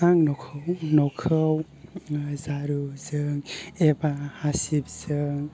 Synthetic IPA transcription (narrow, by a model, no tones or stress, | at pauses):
aŋnɔkʰɯwnɔkʰɯw | zaɾuzɯŋebahasip̚z̥ɯŋ